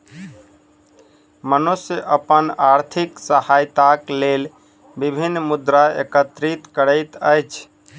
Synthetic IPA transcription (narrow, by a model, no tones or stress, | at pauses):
mənusəʔəpənaɾt̪ʰiksəhajt̪aklel | bibʱinːmud̪ɾaḛkət̪ɾit̪kəɽəjt̪əjt͡ʃʰ